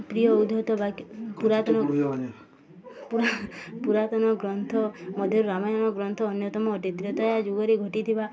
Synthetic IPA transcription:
pɾijɔud̪ʱɔt̪ɔbakpuɾat̪ɔnɔ | puɾpuɾat̪ɔnɔɡɾɔnt̪ʰɔmɔd̪ʱjɔɾɾamɔjaɽ̃ɔɡɾɔnt̪ʰɔːnjɔt̪ɔmɔːʈit̪ɾɔt̪ɔjad͡ʒuɔɾiɡʱɔʈit̪ʰiba

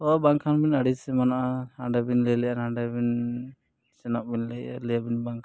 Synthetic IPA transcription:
ɔbaŋkʰanbinaɽisɛmanaʔahaɳɖabinlɛlɛjanaɳɖabin | sɛnɔʔ̚binlɛja̰lɛjabinbaŋkʰ

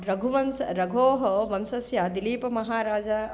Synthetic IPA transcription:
ɾɐɡʱuʋɐmsɐɾɐɡʱoːɦɐʋɐmsɐsjad̪iliːpɐmɐɦaːɾaːd͡ʒɐ

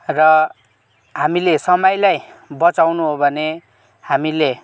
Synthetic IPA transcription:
rʌ | ɦamilesʌmʌjlajbʌt͡sawnuɦobʱʌne | hamile

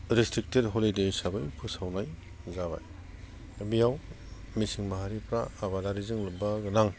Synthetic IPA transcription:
ɾistɾik̚tedɦolidejsabajpʰɯsawnaj | zaβa̰j | bijaw | misiŋmaɦaɾipʰɾa̰ːβadaɾizɯŋlɯbaɡɯnaŋ

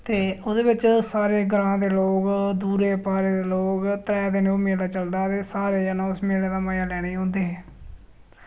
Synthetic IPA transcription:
t̪eːoːd̪eːbɪt͡ʃsaːɾeːɡəɾãːd̪eːloːɡd̪uːɾeːpaːɾeːd̪eːloːɡt̪əɾɛːd̪eːneoːmeːlaːt͡ʃəld̪aːt̪eːsaːɾeːd͡ʒənãːʊsmeːleːd̪aːməjaːlɛːɽ̃aiːɦõːnd̪eːɦɛː

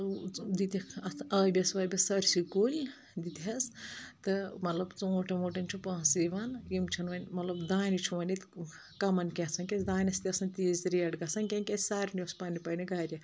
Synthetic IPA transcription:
d̪it̪ɐkɐɐːbʲɐsʋɐːbʲɐsɐɾʲsikoːlʲ | d̪it̪ɦɐst̪ɨmɐt̪lɐbt͡suoːʈɐmoːʈɐnʲt͡ʃʰupãːsiʋɐnjimt͡ʃʰɐnʋɐnʲmɐt̪lɐbd̪aːnʲit͡ʃʰuʋɐnit̪ | kɐmɐnkʲet͡sʰɐnkʲesd̪aːnʲɐst̪iɐsɐnt̪iːzɾiɐɖɡɐsɐnʲkʲenʲkʲesʲsaːɾnʲospaːnipɐniɡaːɾʲjɐ

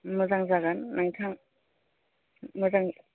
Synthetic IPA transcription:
mɔzaŋzaɡanːaŋtʰaŋ | mɔzaŋ

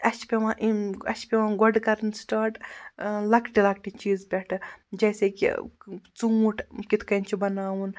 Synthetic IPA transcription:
ɐt͡ʃpʲeʋãʔiɐʃpʲeʋãːɡɔɖkɐɾnsʈaːʈlɐkʈilɐk̚ʈit͡ʃiːzbʲeʈʰd͡ʒɐːsekḭt͡suːuʈʰkit̪ʰkɐnt͡ʃʰibɐnaːwun

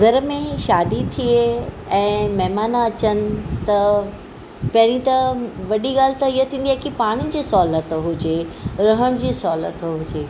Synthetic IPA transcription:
ɡʱɐɾəmẽʃaːd̪it̪ʰie | ɛ̃ːmɛɦmaːnaɐt͡ɕənɪ̆t̪ɐ | pɐɦɾĩt̪ɐʋɐɗiɡaːl̤ɪt̪ɐijət̪ʰĩːnd̪iɛkipaːɽ̃id͡ʑiːsɔːlət̪ɦʊd͡ʑeɾɐɦəɽ̃d͡ʑiːsɔːlə̰t̪ɦʊd͡ʑeː

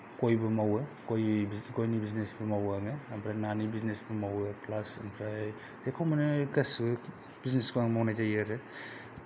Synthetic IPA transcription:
kojbɐmawɯkojiɡojnibiznesbɐmawaŋɯmpʰɾananibiznesbɐmawɯplasenpʰɾaj | z̥ekʰawmɐnɯkɐs | b̥izneskoaŋmawnajzajaɾɯ

